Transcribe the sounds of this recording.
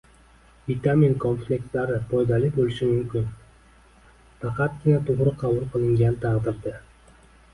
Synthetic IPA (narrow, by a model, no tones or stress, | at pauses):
vit̪ʰamʲinkʰonflʲekt̪laɾɪpʰɒjd̪alɪbolɪʃɪmʊmkʲɪn | fɑqɑt̪̚ɡʲɪnat̪ʰoʁɾɨqʰɑbʊlˠqʰɨlˠɪŋɡʲanɪt̪ʰɑqd̪ɪɾd̪ɪ